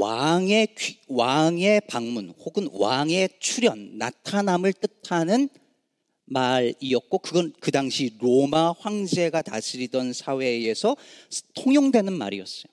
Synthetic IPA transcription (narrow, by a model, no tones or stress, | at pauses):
waŋe̞kwaŋe̞paŋmunhoɡɯnwaŋe̞t͡ɕʰuɾjʌnːa̰tʰanamɯɭt͈ɯtʰanɯn | maɾiʌt̚k͈okɯɡʌnkɯdaŋɕʰiɾomaɸwaŋd͡ʑe̞ɡatasʰiɾidʌnsʰawe̞esʰʌtʰoŋjoŋdwe̞nɯnma̰ɾḭʌs͈ʌjo